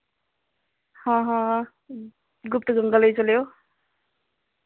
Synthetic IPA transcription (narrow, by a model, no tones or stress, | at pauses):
hʌ̃ɦʌ̃ | ɡup̚t̪ʌɡʌŋɡʌlʌjt͡sʌljo